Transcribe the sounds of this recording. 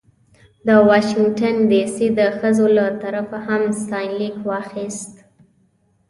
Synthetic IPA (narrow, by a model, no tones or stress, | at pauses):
d̪əwɑʃɪŋɡʈanɖisid̪əxəzolat̪aɾafahamst̪ɑjnlikwɑxist̪